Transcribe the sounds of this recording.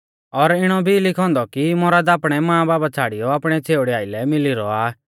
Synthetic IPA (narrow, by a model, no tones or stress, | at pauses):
ɔɾɪɽ̃ɔbʱilɪkʰɔ̃ːnd̪ɔkimoːɾad̪apɽ̃ɛmãːbaːbat͡sʰaːɽijɔapɽ̃ɛt͡sʰeːʊɽɛaːɪlɛmɪliɾɔaː